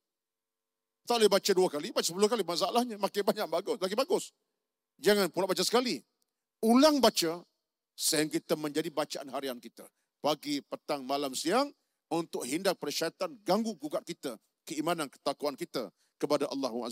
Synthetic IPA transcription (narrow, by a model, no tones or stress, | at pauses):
t̪aʔlebat͡ʃaduakalibat͡ʃasəpulʊhkalimas̬aalahɲamakabaɲaʔ̚baɡʊsbaɡibaɡʊs | d͡ʒaŋanpulaʔbat͡ʃasə̥kali | ulaŋbat͡ʃa | səjaŋk̬it̪əmə̃ɲd͡ʒadibat͡ʃaʔanɦaɾiankit̪ə̰ | paɡipət̪aŋmalamsiaŋ | unt̪ʊk̚hindak̚pəɾt͡ʃat̪anɡaŋɡuɡuɡaʔ̪̚kit̪ə | kəimanankə̥t̪akuankit̪ə̰ | kəpadaʔɑ̰lːahua̰